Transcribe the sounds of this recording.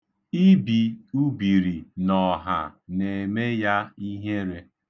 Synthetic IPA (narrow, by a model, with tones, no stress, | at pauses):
i˦bi˨u˦bi˨ɾi˨nɔ˨ɦa̰˨ne˨me˦ja˦i˦ɦe˦ɾe˦